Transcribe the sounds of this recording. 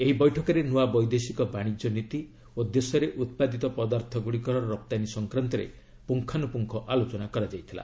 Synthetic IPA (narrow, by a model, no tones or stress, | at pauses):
eɦibɔjʈʰɔkɔɾenuabɔjd̪esikɔbaɽ̃id͡ʒɔnit̪i | od̪jesɔɾeʔut̪̚pad̪it̪ɔpɔd̪aɾt̪ʰɔɡuɽikɔɾɔɔɾɔp̚t̪anisɔŋkɾant̪ɔɾḛ | puŋkʰanupuŋkʰɔʔalot͡ʃɔnakɔɾad͡ʒajt̪ʰila̰